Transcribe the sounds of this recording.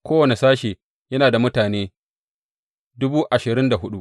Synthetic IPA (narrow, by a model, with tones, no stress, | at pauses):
kʷoː˦wɐ˨ne˨saː˦ʃeː˨ | jɐ˦naː˨da˨mʊ˦taː˨neː˦ | dʊ˦buː˦ʔa˨ʃɪ˨ɾɪ˦nda˨ɦʊ˦ɗu˦ʔ